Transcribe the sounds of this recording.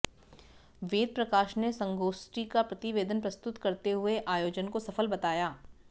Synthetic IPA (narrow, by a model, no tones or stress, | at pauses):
ʋeːd̪̚pɾɐkaːʃnesɐ̃ŋɡoːsʈikapɾɐt̪ɪʋeːd̪ənpɾɐst̪ʊt̪kɐɾt̪eɦʊeʔaːjoːd͡ʒənkosɐfəlbɐt̪aːjaː